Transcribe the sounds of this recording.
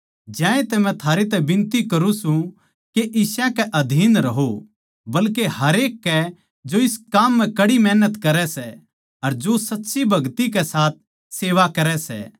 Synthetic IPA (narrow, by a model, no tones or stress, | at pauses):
d͡ʒãːẽt̪ɛmɛ̃t̪ʰaːɾet̪ɛbɪ̃nt̪ikɐɾũsũ | keʔɪsɛ̃kɛʔɐd̪ʱiːnɾɐɦo | bɐlkeɦɐɾeːkːɛ | d͡ʒoɪskaːmːɛ̃kɐɽimɛːnət̪kɐɾɛsɛ | ɐɾd͡ʒosɐtːʃibʱɐɡt̪ikɛsaːt̪̚ | seːʋakɐɾɛsɛ̰